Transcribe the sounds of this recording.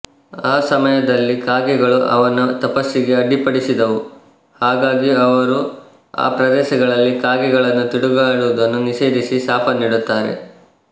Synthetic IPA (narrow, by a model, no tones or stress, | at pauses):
aːsɐmɐjɐd̪ɐlːikaːɡɛɡɐɭuʔɐ̰ʋɐnɐt̪ɐpɐsːiɡe̞ɐɖːipɐɽisid̪ɐʋu | haːɡaːɡiɐʋɐɾu | a̰ːpɾɐd̪ɛːʃɐɡɐɭɐlːikaːɡɛɡɐɭɐnːut̪iɽuɡaːɽuʋud̪ɐnːuniʃeːd̪isisaːpɐniːɽut̪ːaːɾe̞̰